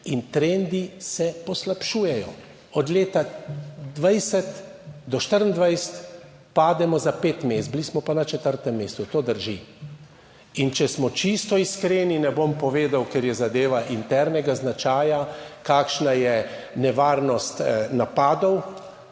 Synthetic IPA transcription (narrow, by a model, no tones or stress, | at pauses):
int̪ɾend̪isɛpɔslapʃuːjɛjɔ | ɔd̪leːt̪ad̪ʋajsɛt̪d̪ɔʃt̪əɾənd̪ʋajsɛ̥t̪ | paːd̪ɛmɔzapeːt̪meːsd̪blismɔpanat͡ʃɛt̪əɾt̪ɛmːeːst̪ut̪oːd̪əɾʒi | int͡ʃɛsmɔt͡ʃist̪ɔiskɾeːninɛbompɔʋeːd̪awkɛɾjɛzad̪eːʋaʔint̪ɛɾnɛɡaznat͡ʃaːjakaːkʃnajɛ | nɛʋaːɾnɔst̪napaːd̪ɔw